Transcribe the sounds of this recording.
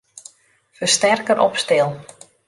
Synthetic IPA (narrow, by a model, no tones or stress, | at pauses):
fərstɛrkəɾʔɔpstɪlˠ